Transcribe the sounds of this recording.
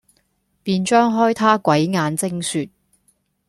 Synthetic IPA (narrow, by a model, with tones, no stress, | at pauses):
piː˧nt͡ʃœː˥ŋɦɔː˥jt̪ʰaː˥kʷwɐ˨˥jŋaː˨˧nt͡sɪ˥ŋsyː˨t̚